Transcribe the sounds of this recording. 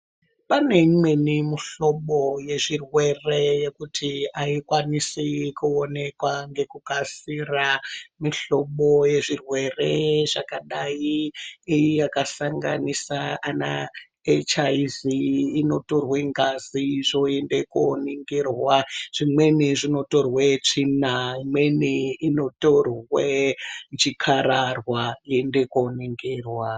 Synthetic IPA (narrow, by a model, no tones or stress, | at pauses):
pane̞imwenimiɬo̞ɓoje̞ʐirwe̞re̞je̞kutʰiaikwanisikuone̞kwaŋɡe̞kukasiramiɬo̞ɓoje̞ʐirwe̞re̞ʐakaɗajiːjijakasaŋɡa̰nisaːna̰ | et͡ʃaiziːno̞torweŋɡaziʐo̞endeko̰niŋɡerwaʐ̥imweniʐinoto̞rwet͡ʂinaimweniino̞torwed͡ʒikʰaɾarwaiendekoneŋɡeːrwa